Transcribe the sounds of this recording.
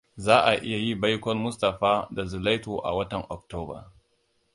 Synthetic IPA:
zaː˦ʔa˨ʔɪ˦ja˨ji˦ba˦jkʷɔ˦rmʊ˦stɐ˨ɸaː˦da˨zʊ˨la˦jtoː˨ʔa̰˨wɐ˦tɐ˨ŋʔɔ˨k̚toː˦bɐ̰˨

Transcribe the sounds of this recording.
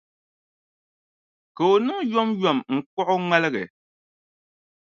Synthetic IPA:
kə˨o˨nɨ˦ŋ˦jɔ˦mjɔ˦˨mŋ̩˨k͡pɔ˦ʔʊ˦ŋ͡mɛ˦lɨ˦ɣɛ˨

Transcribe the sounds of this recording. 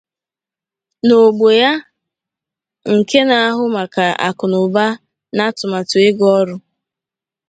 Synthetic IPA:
no˨ɡ͡bo˨ja˦ | ŋ̩˨ke˦na˨a˦ɦʊ˦ma˨ka˨ʔa̰˨kʊ˨nʊ˨ba˦ | na˦tʊ˨ma˨tʊ˨ɪ˦ɡɔ˦ɾʊ˦

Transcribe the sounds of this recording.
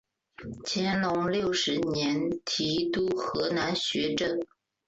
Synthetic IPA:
t͡ɕʰjɛ˧˥nlʊ˧˥ŋljo˥˩ʊʂɻ̩˧˥njɛ˧˥nt̪ʰi˧˥t̪u˥xɤ˧˥na˧˥nɕɥɛ˧˥ʈ͡ʂɤ˥˩

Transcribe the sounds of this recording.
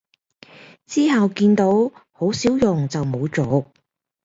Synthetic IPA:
t͡siː˥ɦɐ˨wkiː˧nt̪o˨˥who˨˥wsiː˨˥wjʊ˨ŋt͡sɐ˨wmo˨˧wt͡so˨˥

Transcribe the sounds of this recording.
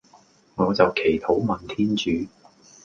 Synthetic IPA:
ŋɔː˨˧t͡sɐ˨wkʰe˨˩jt̪ʰo˨˥wmɐ˨nt̪ʰiː˥nt͡ʃyː˨˧

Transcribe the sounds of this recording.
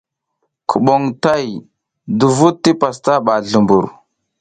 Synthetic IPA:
kʰu˨ɓo˨ŋta˦˨j | du˨vu˦ttːi˦pa˨sta˦ɓa˨ɮu˨mbṵ˨ɾ

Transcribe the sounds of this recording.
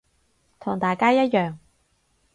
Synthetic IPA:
t̪ʰʊ˨˩ŋt̪aː˨˩jkaː˥jɐ˥t̚jœː˨ŋ

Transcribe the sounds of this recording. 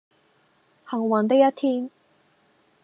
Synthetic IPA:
hɐ˨˩ŋwɐ˨nt̪̬ɪ˥kjɐ˥t̪̚ʰiː˥n

